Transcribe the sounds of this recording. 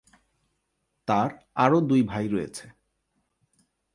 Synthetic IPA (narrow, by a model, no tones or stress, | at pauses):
t̪aɾ | aɾod̪ujbʱajɾɔjḛt͡ɕʰe